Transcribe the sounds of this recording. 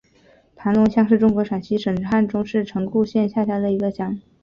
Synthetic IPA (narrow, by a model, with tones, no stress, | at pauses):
pʰa˧˥nlʊ˧˥ŋɕjɑ˥˧ŋʂɻ̩˥˩˧ʈ͡ʂʊ˥ŋkwɔ˧˥ʂa˨˩nɕi˧˥ʂə˨˩ŋʰa˥˩nʈ͡ʂʊ˥ŋʂɻ̩˥˩ʈ͡ʂʰɤ˧˥ŋku˥˧ɕjɛ˥˧nɕja˥˧ɕja˥˩d̪ə˩i˧˥ɡə˧ɕjɑ˨˩ŋ